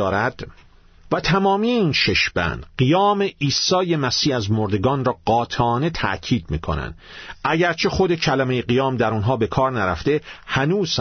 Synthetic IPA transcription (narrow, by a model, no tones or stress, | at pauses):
ɒːɾæd̪̥ | væt̪ʰæmɒːmiːjeiːnʃe̞ʃb̥æ̰nd̪ɢijɒːme̞ʔiːsɒːje̞mæsiːhæzmoɾd̪e̞ɡɒːnrɒːɢɒːt̪ʰɒːne̞t̪ʰæ̰ʔcʰiːd̪̚mḭːkʰonæ̰nd̪̥æɟæɾt͡ʃʰe̞xod̪ecʰælæmejeɡijɒːmd̪æɾunɦɒːbe̞kʰɒːɾnæɾæ̰ft̪e̞hænuːz̥